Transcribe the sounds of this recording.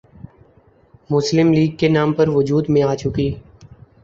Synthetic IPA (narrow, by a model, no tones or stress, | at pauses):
mʊslɪmliːɡ̚kenaːmpəɾʋʊd͡ʒuːd̪mẽaːt͡ʃʊkiː